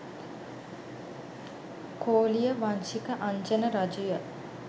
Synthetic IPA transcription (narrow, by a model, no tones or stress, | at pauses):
koːlijəʋaɲʃikəʔaɲt͡ʃənəɾad͡ʒujə